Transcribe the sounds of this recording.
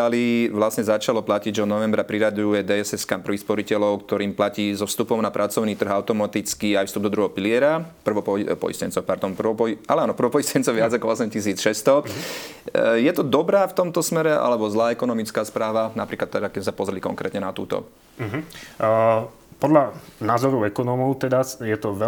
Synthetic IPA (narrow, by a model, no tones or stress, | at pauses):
aliʋlasɲɛzat͡ʃalɔplaciɟʒɛɔd̪nɔʋɛmbɾapɾiɾad̪uujɛd̪ɛɛsɛskampr̩ʋixspɔɾicɛlɔʊkt̪ɔɾiːmplaciːzɔfst̪upɔʊnapɾʔat͡sɔʊniːt̪r̩ɣaʊt̪ɔmat̪it͡skiajfst̪ubd̪ɔd̪ɾuɦɛɦɔpilɪɛɾapr̩ʋɔppɔ̰ḭscɛnt͡sɔʊpaɾd̪ɔmpr̩alɛaːnɔpr̩ʋɔpɔjiscɛnt͡sɔʋɪad͡zakɔɔsɛmcis̬iːt͡sʃɛst̪ɔ | jɛt̪ɔd̪ɔbɾaːft̪ɔmt̪ɔsmɛɾɛʔa̰lɛbɔzlaːɛkɔnɔmit͡skaːspɾaːʋanapɾiːklat̪ːɛd̪akɛmɛsapɔzɾɛlikɔ̰ŋkɾɛ̰ːt̪ɲɛnat̪ṵːt̪ɔ̰ | ɦ | pɔd̪lanaːzɔɾɔɛkɔnɔmɔʊt̪ɛd̪asjɛt̪ɔʋɛ